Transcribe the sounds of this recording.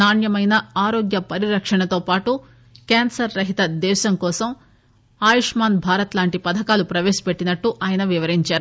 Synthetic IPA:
naːnjɐmɐjnɐaːɾoːɡjɐpɐɾiɾɐkʂɐɳɐt̪o̞ːpaːʈu | keːnsɐɾːɐɦit̪ɐd̪ɛːʃɐŋkɔːsɐm | aːjiʂmaːnbʱaːɾɐt̪laːɳʈipɐd̪ʱɐkaːlupɾɐʋeːsɐ̥peʈːinɐʈːuʔaːjɐnɐʋiʋɐɾiɲt͡ʃaːɾu

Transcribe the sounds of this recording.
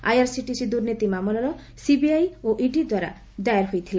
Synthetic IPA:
a̰jaɾsiʈisid̪uɾnit̪imamɔlɔɾɔ | sibiajoʔiɖid̪waɾa̰ | d̪ajaɾɦojt̪ʰile

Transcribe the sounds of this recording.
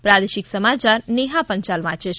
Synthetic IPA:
pɾad̪eʃiksəmat͡ʃaɾneɦapəɲt͡ʃalmãt͡ʃeʃ

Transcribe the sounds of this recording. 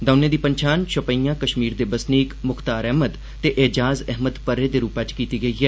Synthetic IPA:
d̪əʊnẽːd̪iːpəɲt͡ʃʰaːnʃəpəiːjãːkəʃmiːɾd̪eːbəsniːkmʊxt̪aːɾɛɦməd̪ | t̪ːeːʔeːd͡ʒaːzɛɦməd̪pəɾːeːd̪eːɾuːpat͡ʃkiːt̪iːɡəiːɦɛː

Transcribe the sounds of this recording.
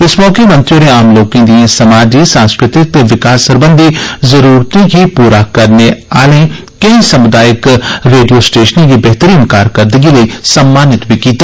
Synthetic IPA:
ɪsmɔːkemɐ̃nt̪ɾioːɾeaːmloːkẽːd̪iãsəmaːd͡ʒiːsãːnskɾɪt̪ɪk̚t̪eʋɪkaːsəɾbə̃nd̪ʱizəɾuːɾt̪ĩɡiːpuːɾakəɾnea̰ːlẽː | kəĩsəmʊd̪aːjɪkɾeːɖijoːsʈeːʃənĩɡibɛɦt̪əɾiːnkaːɾkəɾd̪əɡiːləiːsəmːaːnɪt̪biːkiːt̪eː

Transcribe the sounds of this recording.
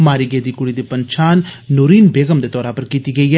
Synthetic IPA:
maːɾiːɡeːd̪iːkʊɽiːd̪iːpəɲt͡ʃʰaːnːuːɾiːnbeːɡəmd̪eːt̪ɔːɾaːpəɾkiːt̪iːɡəiːɦɛː

